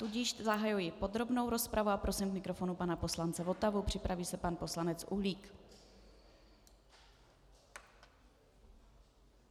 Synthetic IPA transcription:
t̪uɟɪʃzaɦajujɪpo̞d̪ɾo̞bno̞wɾo̞spɾavuapɾosimkmɪkɾo̞fo̞nupanapo̞slant͡sɛvo̞t̪avupr̝̥ɪpɾaviːsɛpanpo̞slanɛt͡sʔṵɦliːk

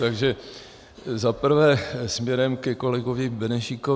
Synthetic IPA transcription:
t̪aɡʒɛ | zapr̩vɛːsmɲɛɾɛmkɛko̞lɛɡovɪbɛnɛʃiko

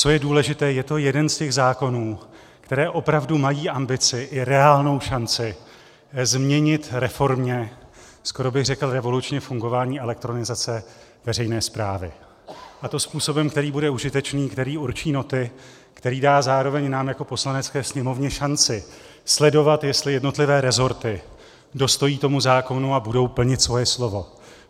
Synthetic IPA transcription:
t͡so̞jɛduːlɛʒɪt̪ɛːjɛt̪o̞jɛdɛnscɛɣzaːko̞nuː | kt̪ɛɾɛːʔo̞pɾavdumajiːʔambɪt͡sɪʔɪɾɛaːlno̞wʃant͡sɪ | zmɲɛɲɪt̪ɾɛfo̞ɾmɲɛ | sko̞ɾo̞bɪɣrɛkl̩ɾɛvo̞lut͡ʃɲɛfuŋɡo̞vaːɲiːʔɛlɛk̚t̪ɾo̞nɪzat͡sɛ | vɛrɛjnɛːspɾaːvɪ̰ | ʔat̪o̞spuːso̞bɛmkt̪ɛɾiːbudɛuʒɪt̪ɛt͡ʃniːkt̪ɛɾiːuɾt͡ʃiːno̞t̪ɪ | kt̪ɛɾiːdaːzaːɾo̞vɛɲnaːmjako̞po̞slanɛt͡skɛːsɲɛmo̞vɲɛʃant͡sɪ | slɛdo̞vat̪jɛst̪lɪjɛdno̞t̪lɪvɛːɾɛzo̞ɾt̪ɪ | do̞st̪o̞jiːt̪o̞muzaːko̞nuabudo̞wpl̩ɲɪt̪svo̞jɛslo̞vo̞

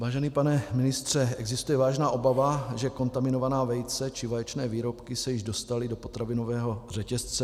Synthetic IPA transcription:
vaːʒɛniːpanɛmɪnɪst̪r̝̥ɛɛɡzɪst̪ujɛvaːʒnaːʔo̞bavaʒɛko̞nt̪amɪno̞vanaːvɛjt͡sɛt͡ʃɪvajɛt͡ʃnɛːviːɾopkɪsɛjɪʒdo̞st̪alɪdo̞po̞t̪ɾavɪno̞vɛːɦo̞r̝ɛcɛst͡sɛ

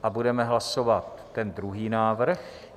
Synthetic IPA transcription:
ʔabudɛmɛɦlasovat̪ːɛnd̪ɾuɦiːnaːvr̩x

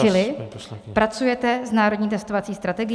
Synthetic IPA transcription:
ɪlɪpɾat͡sujɛt̪ɛznaːɾodɲiːt̪ɛst̪ovat͡siːst̪ɾat̪ɛɡɪ

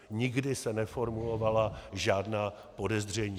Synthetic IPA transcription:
ɲɪɡdɪsɛnɛfo̞ɾmulo̞valaʒaːdnaː | po̞dɛzr̝ɛɲiː

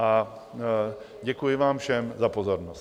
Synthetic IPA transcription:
ʔa | ɟɛkujɪvaːmfʃɛmzapo̞zo̞ɾnost

